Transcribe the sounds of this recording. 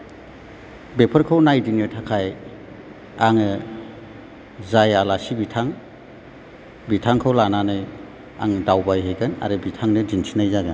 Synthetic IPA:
bepʰəɾkʰawnajdinɯtʰakʰaj | aŋɯ | zajalasibitʰaŋ | bitʰaŋkʰawlananɯj | a̰ŋdawbajɦeɡɯna̰ɾɯbitʰaŋnɯdinsʰinajzaɡɯn

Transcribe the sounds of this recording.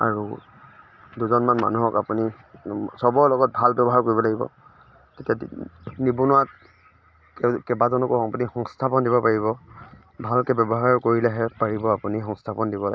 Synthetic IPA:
a̰ɹu | duzɔnmanma̰nuɦɔka̰puni | sɔbɔɹlɔɡɔt̚bʱalbjɔbɔɦaɹkoɹibɔlaɡibɔ̰ | tetiadnibunʊat | kkɛbazɔnɔkɔpunixɔŋstʰapɔndibɔpaɹibɔ | bʱalkɛbɔbɔɦaɹkoɹilɛɦɛpaɹibɔapunixɔŋstʰapɔndibɔla̰ɡ

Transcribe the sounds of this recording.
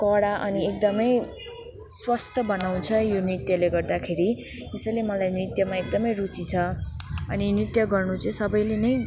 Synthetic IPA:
kʌɽaʔʌniek̚d̪ʌmʌj | swʌst̪ʰʌbʌnaw̃t͡sʰʌjonrit̪jʌleɡʌrd̪akʰeɾi | esʌjlemʌlajnrit̪jʌmaek̚d̪ʌmʌjrut͡sit͡sʰʌʌninrit̪jʌɡʌrnut͡sʌj̃sʌbʌjlenʌj

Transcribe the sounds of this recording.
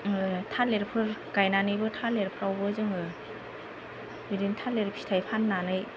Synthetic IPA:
tʰaleɾpʰɯɾkajnanɯjbɯtʰaleɾpʰɯɾawbɯzɯŋɯ | biɾintʰaleɾpʰi̥tʰajpʰanːanɯj

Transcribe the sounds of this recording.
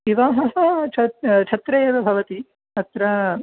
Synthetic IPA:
iʋaːɦɐɦɐt͡ʃʰɐt͡ʃʰɐt̪ɾɐjeːʋɐbʱɐʋɐt̪i | ɐt̪ɾɐ

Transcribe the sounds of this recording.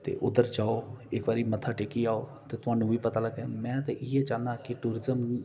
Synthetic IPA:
t̪ḛːʔʊd̪əɾd͡ʒaːoːɪkbaːɾiːmət̪ʰːaːʈeːkiːaːoːt̪eːt̪ʊɦãːɳnũːʋiːpət̪aːləɡɛːmɛ̃ːt̪ẽʔɪɛːd͡ʒãːnaːkɪʈuːɾɪzəm

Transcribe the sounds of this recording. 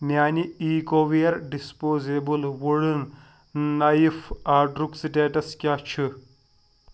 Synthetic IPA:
mʲaːniiːɡoʋijɐɾɖispoːzebɨlʋuɽɨnː | ɐjifaːɖɾuksɖeːʈɐskʲaːt͡ʃʰɨ

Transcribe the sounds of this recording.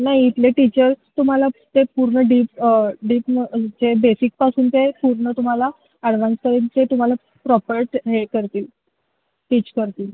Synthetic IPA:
najit̪leʈit͡ɕəɾt̪um̤alat̪epuɾɳəɖiːpɖiːpəd͡ʑebesik̚pasuːnt̪epuɾɳət̪um̤ala | əɽʋanskəɾint͡set̪um̤ala | pɾɔpəɾʈɦekəɾt̪iːl | ʈit͡ɕkəɾt̪iːl

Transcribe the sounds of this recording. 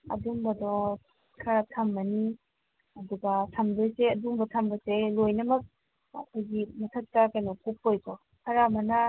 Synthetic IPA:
ɐ̰duŋbɐdɔ | kʰɐɾatʰɐmːɐni | ɐduɡatʰamdoseɐdumbɐtʰɐmbɐselojnɐmɐk̚ | ɐkʰojɡimɐtʰɐk̚takajnɔkup̚ːojkɔ | kʰɐɾamɐna

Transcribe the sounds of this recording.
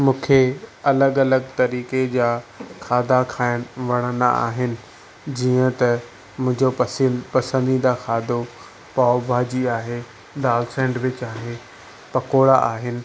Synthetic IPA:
mũːkʰeɐləɡɐləɡt̪ɐɾiːked͡ʑaːkʰaːd̪akʰaːɪɽ̃ʋɐɽ̃ənd̪a̰a̰ːɦɪnɪ̆ | d͡ʑiːə̃t̪ɐ | mʊ̃ɦɪ̃ɲd͡ʑopɐsipɐsə̃nd̪id̪axʰaːd̪ʱo | paːʊbʱaːd͡ʑiaːɦe | d̪aːlsɛ̃ːɳɖʋɪt͡ɕaːɦe | pɐkoːɽaʔaːɦɪnɪ̆

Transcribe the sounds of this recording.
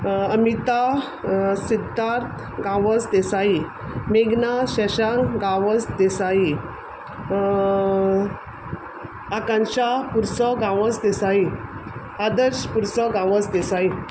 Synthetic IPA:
əmit̪a | sid̪ʱːaɾt̪ʰ | ɡãʋət͡sd̪esai | meɡnaɕɛɕaŋɡãʋəsd̪esai | akãnɕapuɾsɔɡãʋəsd̪esai | ad̪əɾɕpuɾsɔɡãʋət͡sd̪esai

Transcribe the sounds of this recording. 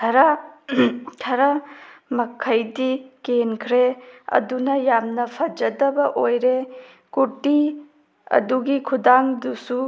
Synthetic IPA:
tʰɐɾa | tʰɐɾamɐkʰɐjdikenkʰɾeɐ̰dunɐjamnɐpʰɐd͡ʒɐdɐbɐʔojɾe | kuti | ɐ̰duɡikʰudaŋdusu

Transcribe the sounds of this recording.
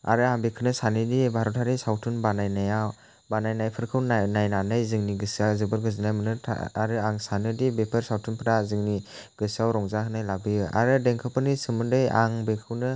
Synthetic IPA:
a̰ɾɯaŋbekʰɯnɯsanɯdibʱaɾɔtʰaɾisawtʰɯnbanajnajaw | banajnajpʰɯɾkʰɯwnnajnanɯjzɯŋniɡɯsiawzɯbɯɾɡɯzinajmɯnɯtʰa̰aɾɯaŋsanɯdibepʰɯɾsawtʰunpʰɯɾazɯŋniɡ̥ɯsiawɾɔŋzakʰɯnajlabɯɯa̰ɾɯdeŋkʰɯpʰɯnisɯmɯndɯja̰ŋbekʰɯwnɯ

